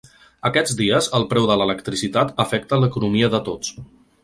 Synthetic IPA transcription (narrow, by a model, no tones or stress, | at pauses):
əkɛd͡zd̪iəzəlˠpɾɛwðələləkt̪ɾisit̪at̪əfɛk̚t̪ələkunumiəðət̪ot͡s